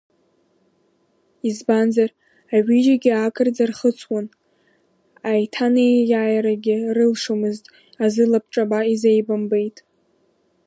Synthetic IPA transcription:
izbanzar | aɥid͡ʒaɡʲɪakʰʼɨrd͡zarχət͡sʰwan | ajtʰanejjaːjɾaɡʲɪrɨlʂomɨztʼ | azɨlap̚ʰʈ͡ʂʼabaizejbambejtʼ

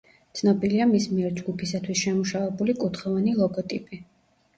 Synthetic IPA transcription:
t̪sʰnɔbiliamismiɛɾd͡ʒɡupʰisat̪ʰwisʃɛmuʃavɛbulikʼut̪χɔvanilˠɔɡɔt̪ʼipʼi

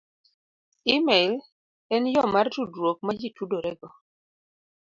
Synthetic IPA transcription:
imɛl | ɛnjɔmartudwok̚mad͡ʒitudoɾɛɡɔ

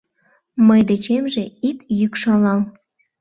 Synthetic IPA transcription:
məjd̪et͡ɕemʒeit̪jykʃɑlɑl

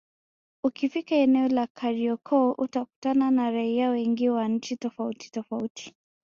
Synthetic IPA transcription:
ukifikaɛnɛɔlakʰaɾiɔkʰɔʔutaku̥tananaɾaiawɛŋɡiwan̩t͡ʃitɔfauti̥tɔfautʰi̥

